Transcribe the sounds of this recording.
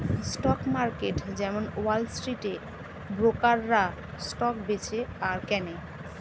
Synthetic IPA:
sʈɔkmaɾkeʈd͡ʑɛmonwalsʈɾiʈe | bɾokaɾːa | sʈɔk̚bet͡ɕʰeaɾkɛne

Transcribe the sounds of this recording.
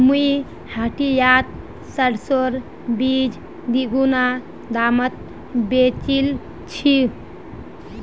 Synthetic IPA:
mui | haʈijat̪̚ | səɽsoɾ | bid͡ʒ | d̪iɡuna | d̪amət̪̚ | bet͡ʃil | t͡ʃʰi

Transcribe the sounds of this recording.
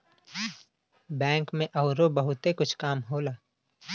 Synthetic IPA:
bɛ̃ːŋkmẽʔɔːɾobəɦʊt̪ekʊt͡ʃʰkaːmɦoːlaː

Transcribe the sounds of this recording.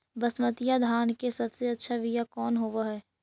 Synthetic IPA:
bɐsmət̪ijad̪ʱaːnkesɐbseɐtːʃʰaʋɪjakɔːnɦoːʋaɦɛː

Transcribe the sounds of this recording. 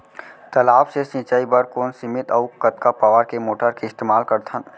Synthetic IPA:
t̪əlaːbsesɪ̃ːt͡ʃaːibəɾkoːnsɪmɪt̪əʊkət̪kapaːʋəɾkemoːʈəɾkeɪst̪eːmaːlkəɾt̪ʰən

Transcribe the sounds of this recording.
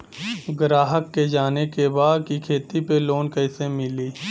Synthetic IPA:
ɡɾaːɦəkːed͡ʒaːnekebaːd̪̚kikʰeːt̪ipeloːnkɛɪsemɪliː

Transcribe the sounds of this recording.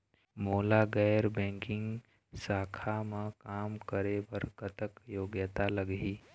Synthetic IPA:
moːlaɡɛːjɾbɛ̃ːŋkɪ̃ŋɡ | saːkʰamãkaːmkəɾebəɾkət̪əkjoːɡjət̪aləɡɦiː

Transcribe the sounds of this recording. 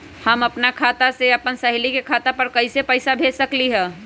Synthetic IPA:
həməpnakʰat̪aseəpənsəɦlikekʰat̪apəɾkəɪsepəɪsabʱesəkliɦɛ̃

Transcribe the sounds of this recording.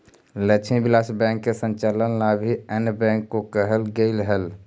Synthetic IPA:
lət͡ʃʰibilasbɛ̃ŋkːesə̃nt͡ʃalənlabʱiənbɛ̃ŋkːokəɦəlɡəɪlɦəl

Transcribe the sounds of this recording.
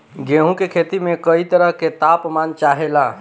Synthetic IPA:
ɡeɦũkekʰet̪imekəit̪əɾəɦket̪apmant͡ʃaɦela

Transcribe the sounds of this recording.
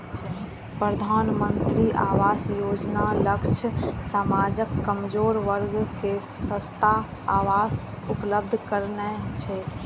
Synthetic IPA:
pɾəd̪ʱanmənt̪ɾiʔa̰ʋasjod͡ʒnaləkt͡ʃʰəsamad͡ʒəkːəmd͡ʒoɾʋəɾɡke | sə̃st̪ʰa | aʋas | upləb̚d̪ʱkəɾnɛt͡ʃʰɛ

